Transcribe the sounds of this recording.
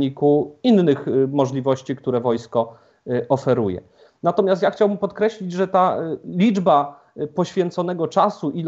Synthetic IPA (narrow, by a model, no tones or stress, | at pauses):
ɲikuinːɘxmɔʐlʲivɔɕt͡ɕik̚t̪uɾɛvɔjskɔ | ɔfɛɾujɛ̰ | nat̪ɔmʲast̪jaxt͡ɕawbɘmpɔt̪kɾɛɕlʲid͡ʑʐɛt̪alʲid͡ʐba | pɔɕfʲjɛnt̪sɔnɛɡɔt͡ʂasuʔil